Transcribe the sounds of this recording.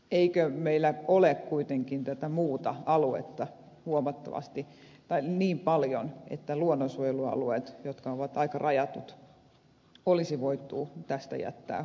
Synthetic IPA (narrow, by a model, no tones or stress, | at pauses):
eikømeilːˑæolekkuit̪eŋkint̪æt̪æmuːt̪ɑɑluḛt̪ːɑ | huomɑt̪ːɑ̰ʋɑ̰st̪i | t̪ɑiniːmpɑljonḛt̪ːæluonːosuojeluɑ̰lueːt̪jot̪kɑoʋɑt̪ɑikɑrʔɑjɑt̪ut̪ | olisiʋoit̪ːˑṵːt̪æst̪æ̰jæ̰t̪ːæ̰ː